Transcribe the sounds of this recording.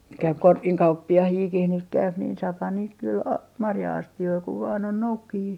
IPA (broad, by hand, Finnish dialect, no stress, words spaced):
nyt kæyp korkiŋ kɑupːiɑhiːkih nyt kæyp niːn sɑːphɑn niːt kyl ɑ mɑrjɑɑstioi kuʋ ʋɑːn on noukːijiː